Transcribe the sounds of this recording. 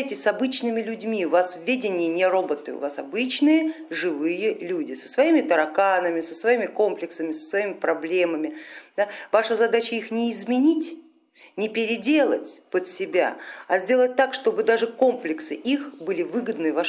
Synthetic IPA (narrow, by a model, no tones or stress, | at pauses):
jtʲɪsʲsɐbɨt͡ɕnɨmʲɪlʲʊdʲmʲiʊvasvʲedʲɪnʲɪjənʲɪrobət̪ɨ̰ʊ̰vasɐbɨt͡ɕnɨjə | ʐɨvɨjəlʲudʲɪsə̥svɐimʲɪt̪əɾɐkanəmʲɪsəsvɐimʲɪko̞mplʲɪksəmʲɪsə̥svɐimʲɪpɾɐblʲeməmʲɪd̪avaʂəzɐd̪at͡ɕəixnʲɪːzmʲɪnʲitʲ | nʲɪpʲɪɾʲɪdʲe̞lˠə̰tʲpət̪sʲɪbʲa̰ɐzʲdʲe̞lˠət̚ʲt̪akʂt̪o̞bɨd̪aʐɨko̞mplʲɪksɨʔixbɨlʲɪvɨɡəd̪nɨva